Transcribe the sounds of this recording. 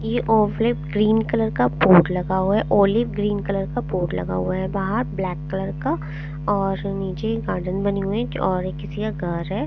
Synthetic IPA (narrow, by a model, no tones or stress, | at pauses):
jeʔoːʋlɪpɡɾiːnkɐləɾkapuːʈlɐɡaɦuaɦɛʔoːlɪp̚ɡɾiːnkɐləɾkapuːʈlɐ̰ɡa̰ɦuaɦɛbaːɦəɾblɛːkːələɾka | ɔːɾniːt͡ʃeɡaːɾɖənbɐniɦueɔːɾekːɪsikaɡʱɐɾɦɛː